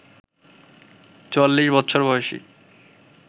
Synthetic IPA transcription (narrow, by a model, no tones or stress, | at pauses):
t͡ɕolːiʃbɔtːɕʰoɾbɔeeʃḭ